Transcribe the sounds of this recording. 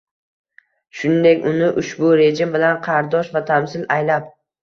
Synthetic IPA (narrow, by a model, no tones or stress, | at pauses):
ʃʊnɪnd̪e̞kʲʊnɪʔʊʃbʊɾe̞d͡ʒɪmbɪlanqʰɑɾd̪ɒʃvat̪ʰamsɪlajlap̚